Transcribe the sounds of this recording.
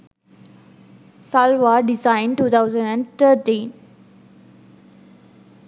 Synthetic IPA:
salʋaɖizãɪ̃ɳʈuːt̪ʰawzə̃ɳɖæ̃ɳɖt̪ʰəɾʈĩːn

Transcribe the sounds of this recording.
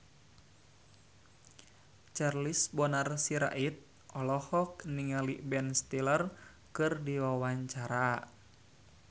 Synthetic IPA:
t͡ʃarlisbɔnarsiɾa̰ʔit̪̚ | ʔɔlɔhɔk̚niŋalibɛnst̪ilər | kɨrdiwawaɲt͡ʃaɾa

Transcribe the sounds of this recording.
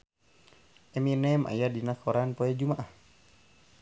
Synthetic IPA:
ʔɛminɛmʔa̰jadinakɔɾanpɔɛd͡ʒumaʔah

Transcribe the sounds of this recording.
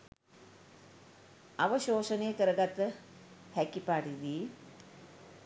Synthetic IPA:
aʋəʃoːsənejkəɾəɡat̪ːə | hɛkipaːʈid̪iː

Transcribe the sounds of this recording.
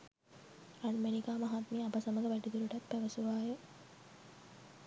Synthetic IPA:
ɾanmenikaːmaɦat̪miːabəsɐməɡəʋæʈid̪uɾuʈat̪pæʋəsuʋaːjə

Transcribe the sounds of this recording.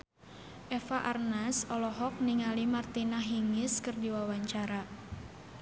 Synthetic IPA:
ʔɛfaʔarnasɔlɔɦɔk̚niŋalimart̪inaɦiŋɪskɨrdiwawaɲt͡ʃaɾa

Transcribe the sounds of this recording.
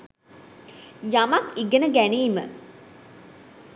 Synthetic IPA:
jamakiɡənəɡæniːmə

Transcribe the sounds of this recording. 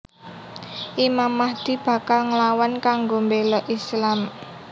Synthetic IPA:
ʔimamːahd̪̥i̤b̥ä̤kalŋlawankaŋɡombelɔʔislam

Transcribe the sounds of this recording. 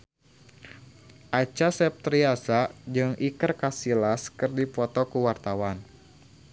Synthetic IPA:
ʔat͡ʃasɛp̚t̪ɾiasad͡ʒɨŋikɨrkasilaskɨrdipɔt̪ɔkuwart̪awan

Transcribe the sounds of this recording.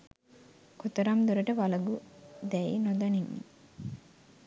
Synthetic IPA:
kot̪ɐɾamd̪uɾɐʈəʋalɐɡud̪ɛinod̪ɐniŋːḭ

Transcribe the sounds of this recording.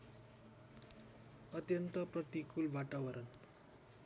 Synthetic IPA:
ʌt̪jʌnt̪ʌpɾʌt̪ikulʋaʈ̪aʋʌɾʌn

